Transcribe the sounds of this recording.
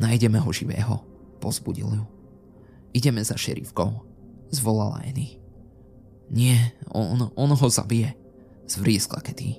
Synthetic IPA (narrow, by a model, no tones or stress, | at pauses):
najɟɛmɛɦɔʒiʋɛ̰ːɦɔ̰ | pɔzbuɟḭlu | iɟɛmɛzaʃɛ̰ɾḭfkɔʊ | zʋɔlala̰jɛni | ɲɪɛɔnɔnɦɔza̰bijɛ | z̥ʋɾiskla̰kɛt̪i